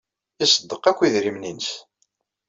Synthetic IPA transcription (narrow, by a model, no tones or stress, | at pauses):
isəd̪ːəqækʷːiðɾimninəs